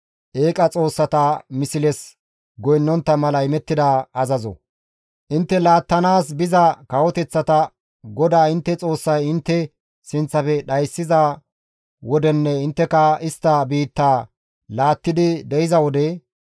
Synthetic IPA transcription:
ʔeːkʼɐt͡sʼo̞ːsːɐt̪ɐmɪsɪlɛs | ɡɔjɪnːɔnt̪ːɐmɐlɐjɪmɛt̪ːɪd̪aːɐzɐzɔ̰ | ʔɪnt̪ːɛlaːt̪ːɐnaːs̬bɪzɐkɐwɔt̪ɛt͡sːɐt̪ɐ | ɡɔd̪aːɪnt̪ːɛt͡sʼo̞ːsːɐjɪnt̪ːɛ | sɪnt͡sːɐfɛɗɐjsːɪzɐ | wɔd̪ɛnːɛɪnt̪ːɛkɐɪst̪ːɐbiːt̪ːaː | laːt̪ːɪd̪ɪd̪ɛjɪzɐwɔd̪ɛ

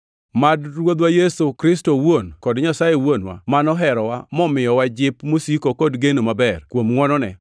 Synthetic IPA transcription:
madɾwod̪wajesokɾɪstowonkɔdɲasajewonwa̰manɔɦɛɾɔwamɔmɪjɔwad͡ʒɪpmosikokɔdɡenomabɛrkwomŋwɔnɔnɛ̰

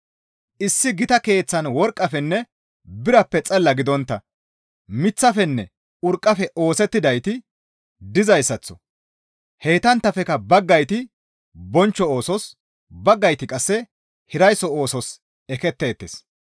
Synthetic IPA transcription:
ʔɪsːɪɡɪt̪ɐke̞ːt͡sːɐnwɔɾkʼːɐfɛnːɛ | bɪɾɐpːɛt͡sʼɐlːɐɡɪd̪ɔnt̪ːɐ | mɪt͡sːɐfɛnːɛ | ʊɾkʼːɐfɛʔo̞ːsɛt̪ːɪd̪ɐjt̪ɪ | d̪ɪzɐjsɐt͡sːɔ̥ | heːt̪ɐnt̪ːɐfɛkɐbɐɡːɐjt̪ɪ | bɔnt͡ʃːɔo̞ːsɔs | bɐɡːɐjt̪ɪkʼɐsːɛ | hɪɾɐjsɔoːsɔs | ɛkɛt̪ːe̞ːt̪ːes

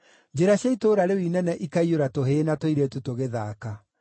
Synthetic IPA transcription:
d͡ʒeɾaɕjaitoːɾaɾewinɛnɛʔikaioɾatoɦeːnatoiɾetutoɣeðaːka

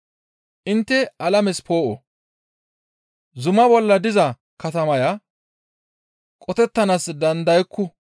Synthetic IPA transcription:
ʔɪnt̪ːɛʔɐlɐmɛspoːʔɔ | zʊmɐbɔlːɐd̪ɪzɐ | kɐt̪ɐmɐjɐ | kʼɔt̪ɛt̪ːɐnaːsd̪ɐnd̪ɐjkːʊ

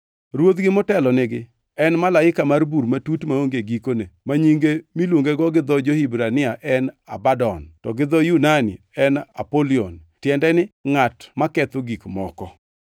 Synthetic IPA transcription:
ɾwot̪ɡɪmɔtɛlɔnɪɡɪ | ɛnmalaɪkamarbuɾmatutmaoŋɡeɡikonemaɲiŋɡemilwoŋɡeɡɔɡɪd̪ɔd͡ʒohibɾanɪaʔɛnabadɔntɔɡɪd̪ɔjunanḭ | ɛna̰polion | tjɛndɛnɪŋatmakɛt̪ʊɡikmɔkɔ

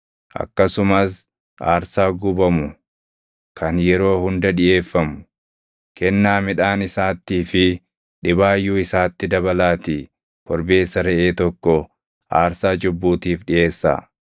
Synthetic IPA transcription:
ʔɐ̰kːɐsʊmɐs | ʔa̰ːɾsaːɡʊbɐmʊ | kʰɐnjɛɾo̞ːhʊnd̪ɐᶑɪʔe̞ːfːɐmʊ̥ | kɛnːaːmɪᶑaːnɪsaːt̪ːiːfɪ | ᶑɪbaːjːuːɪsaːt̪ːɪd̪ɐbɐlaːt̪i | kɔɾbe̞ːsːɐɾɛʔeːt̪ɔkːɔ | ʔa̰ːɾsaːd͡ʒʊbːuːt̪iːfɗɪʔe̞ːsːa̰ː

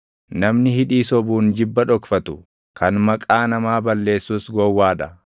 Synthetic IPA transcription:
nɐmnɪhɪᶑiːsɔbuːnd͡ʒɪbːɐᶑɔkfɐt̪ʊ | kʰɐnmɐkʼaːnɐmaːbɐlːe̞ːsːuːsɡɔwːaːᶑɐ

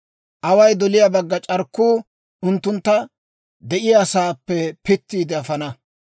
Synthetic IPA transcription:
ʔɐwɐjd̪ɔlɪjabɐɡːɐt͡ʃʼɐɾkːuː | ʊnt̪ːʊnt̪ːɐ | d̪ɛʔɪjasaːpːɛpɪt̪ːiːd̪ɛɐfɐnɐ

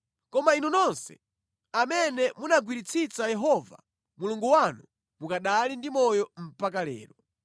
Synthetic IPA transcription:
kɔmainunɔnsɛ̥̰ | amɛnɛmunaɡwiɾit͡sʰit͡sajɛɦɔva̰ | muluŋɡuwanu | mukaɗalindimɔjɔm̩pak̬alɛ̰ːɾɔ

